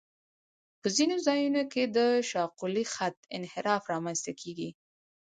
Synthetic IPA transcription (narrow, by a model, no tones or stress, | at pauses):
pəzinozɑjunoked̪əʃɑqulixat̪ɪ̰nhɪɾɑfɾɑmanst̪akʰeɡi